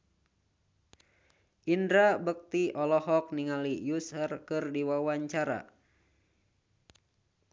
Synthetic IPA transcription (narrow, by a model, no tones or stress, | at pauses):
ʔindɾabək̚t̪iʔɔlɔɦɔk̚niŋalijusərkɨrdiwawaɲt͡ʃaɾa̰